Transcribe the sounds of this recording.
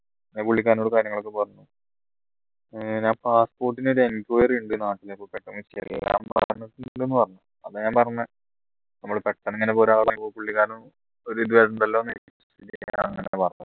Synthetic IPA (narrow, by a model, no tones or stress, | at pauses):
ɲːepuɭːikʲːaːnoɽukaːɾjɐŋːɐɭo̞kːepɐrɐɲːu | ɲaːnpaːspo̞ːrʈːinoɾuenikʲːoːjɐriɳɖɨnaːʈːilepːoːɭpeʈːɐmiɕɐ̰rḭḛlːa̰ːmpa̰ɾnːiʈːunɳɖenːɨpɐrɐɲːu | ɐðɨɲaːnpɐrɐɲːɐ | nɐmːɐɭpeʈːɐneŋːɐnepoːɾaːɣɐpɐpoːpuɭːikʲːaːnu | oɾuiðʋeʈɐɳɖɐlːoːnei | idia̰ɐ̰ŋːɐnḛepɐrɐɲːɐ